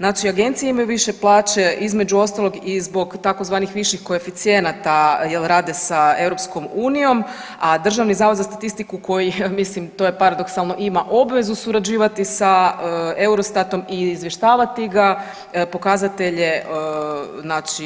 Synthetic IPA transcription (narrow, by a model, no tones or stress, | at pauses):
znaːt͡ʃiaɡe̞nt̪sijeimajuʋiʃe̞plˠaːt͡ʃe̞ʔizme̞d͡ʒuo̞st̪alˠo̞ɡizbo̞ɡt̪ako̞zʋaːnixʋiʃixko̞e̞fit̪sije̞nat̪ajelɾaːd̪e̞sae̞ʋɾo̞psko̞muːnijo̞m | ad̪r̩ʒaʋnizaːʋod̪zast̪at̪ist̪ikuko̞jimislimt̪o̞jepaɾad̪o̞ksalˠno̞ʔimaʔo̞bʋe̞zusuɾad͡ʒiːʋat̪isae̞uɾost̪at̪o̞miːzʋjeʃt̪aːʋat̪iɡa | po̞kazat̪e̞ʎe̞ | znaːt͡ʃi